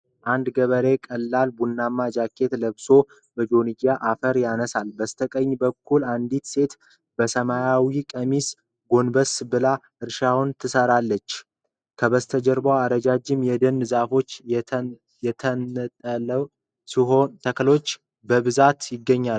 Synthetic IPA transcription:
ʔand̪ɡəβəɾe̞kʼəlːalbunːamːad͡ʒakʰːe̞t̪ləβso̞ | bəd͡ʒo̞niɡaʔafəɾjanəsalbəst̪ʰəkʼəɲːbəkʰːuland̪it̪se̞t̪ | b̥əsəmajawikʼəmis | ɡo̞nbəsbɨlaʔɨɾʃawunt̪ʰɨsəɾalːət͡ʃː | kʰəβəst̪ʰəd͡ʒəɾbawaɾəd͡ʒad͡ʒɪmjɛd̪ɨnzafo̞t͡ʃː | jɛt̪ʰət̪ʼələ | siɦot̪ʰəkʰəlo̞t͡ʃː | bəβɨzat̪jɪɡːəɲːa

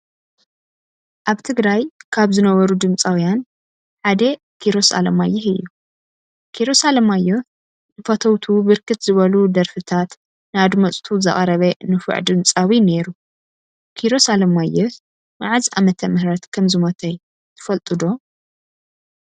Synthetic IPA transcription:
ʔaβt̪ʰɨɡɾajkʰaβzɨnɐβɐɾud̪ɨmt͡sʼawijan | ħad̪ɐ | kʰiɾosa̰lɐmajːɛhɨjːu | kʰiɾosalɐmajːe | nɨfɐt̪ʰɐwt̪ʰubɨɾkʰɨt̪zɨβɐlud̪ɐɾfɨt̪ʰat̪ | nɨad̪mɐt͡sʼt̪ʰuzɐ̰χʼɐɾɐβɐnɨfɨ̰ʕd̪ɨmt͡sʼawineɾu | kʰiɾo̞salɐmajːɛh | maʕaza̰mɐt̪ʰɐmɨhɾɐt̪kʰɐmzɨmɐt̪ʰɐ | t̪ʰɨfɐlt̪ʼɨd̪o̞

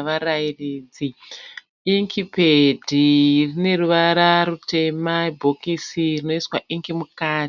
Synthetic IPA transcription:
ʋaɾairiːd͡zi | iŋkʰipedʱirine̞ruʋaɾarute̞mabʱokisirino̞iswaʔiŋɡimukaːt

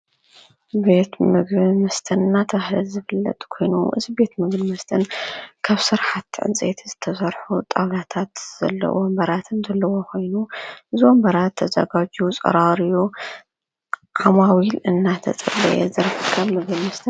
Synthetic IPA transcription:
be̞t̪mɨɡbimɐst̪ʰɐnɨnːat̪ʰɐhlɨlzɨfɨlːɐ̰t̪ʼkʰo̞jnṵʔɨ̰zibe̞t̪mɨɡbimɐst̪ʰɨnkʰaβsɨɾħat̪ːʕɨ̰nt͡sʼḛt̪ʰizɨt̪ʰɐsɐɾħut̪ʼawlat̪ʰat̪z̥ɐ̰lːɐ̰ʔombɐɾat̪ʰɨnzɐlːɐwo̞kʰo̞jnuʔɨziwombɐɾat̪ʰːɐzɐ̰ɡad͡ʒut͡sʼɐ̰ɾaɾiju | ʔamawilɨnːat̪ʰɐ̰t͡sʼɐ̰bɐ̰jɛ̰zɨɾħkʰːɐβmɨɡmɐst̪ʰɨn

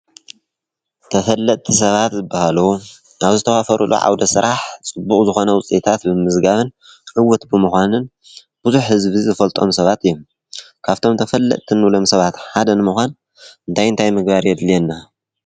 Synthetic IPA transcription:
t̪ʰɐfɐlːɐt̪ʼt̪ʰis̬ɐβat̪zɨbːahalu | ʔaβzɨt̪ʰɐwafɐɾulʔṵʕa̰wd̪ɐsɨɾʔaħt͡sʼɨbːuχʼzɨxo̞nɐwʊt͡sʼet̪ʰat̪bɨmɨzɡaβɨn | ʕɨwɔt̪bɨmuxʷanɨn | b̥ɨzuħhɨzβizɐfɐlt̪ʼo̞msɐβat̪ɨjːum | kʰaβt̪ʰo̞mt̪ʰɐfɐlːɐ̰t̪ʼt̪ʰɨnːlo̞msɐβat̪ħad̪ɐnɨmuxʷan | ɨnt̪ʰajɨnt̪ʰajmɨɡ̚baɾjɛd̪lienːa

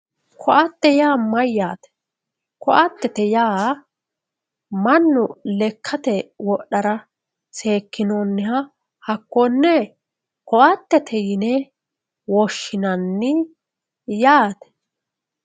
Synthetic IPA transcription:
kʰɔʔɐt̪ːɛjaːmɐjːaːt̪ɛ̥ | kɔʔɐt̪ːɛt̪ɛjaː | mɐnːʊlɛkʰːɐt̪ɛwɔɗɐɾɐ | se̞ːkːɪnoːnːɪhɐ | hɐkːɔnːɛ | kɔʔɐt̪ːɛt̪ʰɛjɪnɛ | wɔʃːɪnɐnːɪ | jaːt̪ɛ̥

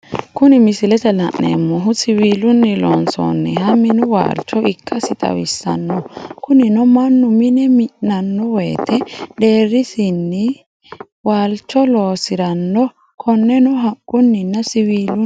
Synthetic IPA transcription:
kʊnɪmɪsɪlɛt̪ɛlɐ̰ʔnḛmːɔɦʊsɪwiːlʊnːɪlo̰ːnsɔ̰nːɛhɐmɪnʊwa̰ːlt͡ʃːɔʔɪkʰːɐsɪt̪ʼɐ̰wɪsːɐ̰nːɔkʊnɪnɔmɐnːʊmɪnɛmɪʔnɐnːɔweːt̪ʰɛd̪e̞ːrːɪsɪnːɪ | waːlt͡ʃːɔlo̞ːsɪɾɐnːɔ | kʰɔnːɛnɔɦɐkʼːʊnːɪnːɐsɪwiːlʊ

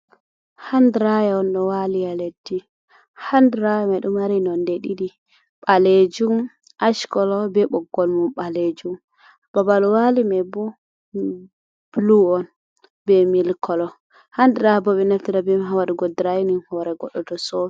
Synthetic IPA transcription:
handɾajɛɔnɗɔwalijaledːi | handɾajɛmaɗumaɾinɔndɛɗiɗi | ɓ̥aled͡ʒum | ʔaʃkɔlɔbɛɓɔɡɔlmumɓaled͡ʒum | b̥abalɔwalimɛbu | b̥luɔn | bɛmilkʰɔlɔ | handɾajɛbɔɓɛnaftiɾabɛɦawaɾɛɡɔdɾajinimhawaɾaɡɔɗːɔdɔsɔ

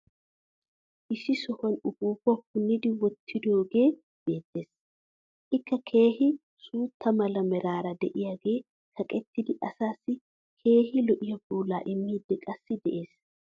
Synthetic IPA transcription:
ʔɪʃɪsɔhɔnʊɡuːbɔhʊnːɪd̪ɪwɔt̪ʰːɪd̪o̞ːɡe̞ː | b̥e̞ːt̪ːe̞ːs | ʔɪkːɐkʰe̞ːhɪ | suːt̪ʰːɐmɐlɐmɛɾaːɾɐd̪ɛʔɪjaɡe̞ː | kʰɐkʼɛt̪ːɪd̪ɪʔɐsaːsːɪ | kʰe̞ːhɪlɔʔɪjɐbuːlaːʔɪmːiːd̪ːɛkʼɐsːɪd̪ɛʔe̞ːs

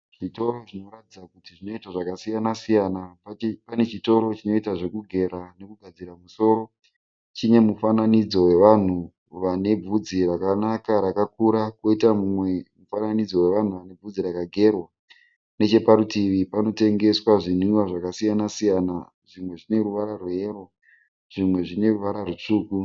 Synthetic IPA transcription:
ʐ̥ito̞roʐino̞ɾatid͡zakutiʐino̞itaʐakasijanasijanappane̞t͡ʃito̞ɾo̞t͡ʃino̞itaʐe̞kuɡʱe̞ɾane̞kuɡʱad͡ziɾamuso̞ːɾo̞ | t͡ʃine̞mufananid͡zo̞we̞ʋan̤u | ʋane̞b͡vud͡zirakanakaɾakakuɾakwo̞itamumwe̞mufananid͡zo̞we̞ʋan̤uʋane̞b͡vud͡ziɾakaɡʱe̞rwa | ne̞t͡ʃe̞paɾutiʋipano̞te̞ŋɡe̞swaʐiniwaʐakasijanasijana | ʐimwe̞ʐine̞ɾuʋaɾarue̞ːro̞ | ʐ̥imwe̞ʐine̞ruʋaɾarut͡ʂuːku

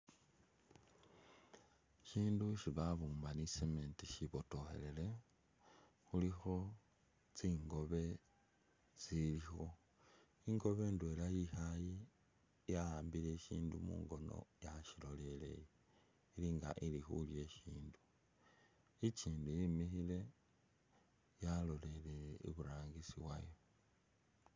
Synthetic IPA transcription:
ʃiːnduʃiβaβuːmbanisementiʃiβo̞to̞xe̞̰le̞le̞ | xulixo̞ | t͡siːŋɡo̞βe̞ | t͡silixo̞ | iŋɡo̞βe̞ːndwe̞lajixaji | jaaːmbile̞ʃiːndumṵːŋɡo̞no̰jaʃilo̞le̞le̞̰je | iliŋɡa̰ʔilixulje̞ʃiːndu̥ | it͡ʃiːndujimixile̞ | jalo̞le̞le̞iβuɾaːŋɡisiβwa̰jo̞

